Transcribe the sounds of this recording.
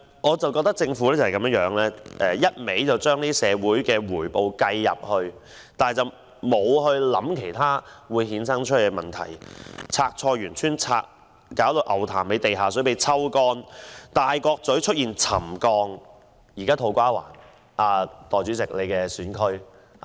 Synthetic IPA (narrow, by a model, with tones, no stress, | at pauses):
ŋɔː˨˧t͡sɐ˨wkɔː˧k̚t̪ɐ˥k̚t͡sɪ˧ŋfuː˨˥lɛː˥t͡sa˨hɐ˨˩kɐ˨˥mə˥ŋjœː˨˥ŋlɛː˥ʔɛː˨˩jɐ˥t̚me˨˥jt͡sɐ˨wt͡ʃœː˥ŋniː˥sɛː˨˧wuː˨˥jkɛː˧wuː˨˩jpo˨wkɐ˧jːɐ̰˨p̚hɵ˧ɥ | t̪aː˨n˨jt͡sɐ˨˩w | mo˨˧whɵ˧ɥlɐ̰˨˥mkʰe˨˩jt̪ʰaː˥wuː˨˧jɦiː˨˧˥nsɐ˥ŋt͡ʃʰle˨˩kɛ˧mɐ˨˩nt̪ʰɐ̰˨˩jt͡sʰaː˧k̚t͡sʰɔː˧ɥyː˨˩nt͡ʃʰyː˥nt͡sʰa̰ː˧k̚ | kaː˨˥wt̪o˧wʔɐ˨˩wt̪ʰa̰ː˨˩mpe˨˧jt̪e˨jɦaː˨˩sɵ˨˥ɥpe˨˧jt͡sʰɐ˥wkɔː˧nt̪aː˨˩jkɔː˧k̚t͡sɵ˨˥ɥt͡ʃʰɵ˥t̚jiː˨nt͡sʰɐ̰˨˩mkɔː˧ŋ | jiː˨˩kaː˥t̪ʰo˧wkʷaː˥wa̰ː˨˩n | ʔaː˧t̪ɔː˨˩jt͡ʃyː˨˥t͡sɪ˨k̚le˨˧jkɛː˧syː˨˥nkʰɵ˥ɥ